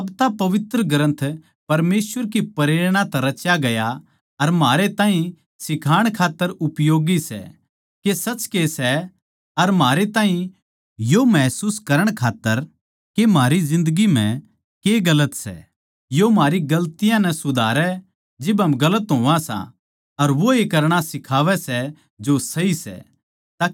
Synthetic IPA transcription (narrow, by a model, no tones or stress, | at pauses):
ɐbt̪apɐʋɪt̪ɾəɡɐɾə̃nt̪ʰ | pɐɾmeːsʋəɾk̬ipɐɾeːɾɽ̃ãt̪ɛ̃ɾɐt͡ʃjaɡɐja | ɐɾmaːɾet̪ãːɦĩ | sɪkʰaːɽ̃kʰaːt̪ːəɾʊpjoːɡisɛ̰ | kesɐt͡ʃkesɛ | ɐɾmaːɾet̪ãːɦĩ | jomɛːsuːskɐɾəɽ̃kʰaːt̪ːəɾ | kemaːɾizɪ̃nd̪əɡim̤ɛ̃ | keɡɐlət̪sɛ̰ | jomaːɾiɡɐlt̪ɪjãnɛsʊd̪ʱaːɾɛ | d͡ʒɪbɦɐmɡɐlət̪ɦõːãsã̰ | ɐɾʋoekɐɾɽ̃asɪkʰaːʋɛsɛ | d͡ʒosɐisɛ̰ | t̪aː